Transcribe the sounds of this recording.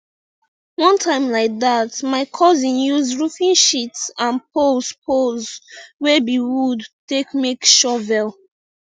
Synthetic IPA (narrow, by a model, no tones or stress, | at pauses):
wɔ̃ntʰãɪ̃mlaɪk̚ðatmaɪkʰɔzĩnjuzɹufĩnʃitsãnpʰospʰozwɛbiwudtekmekʃɔvɛlˠ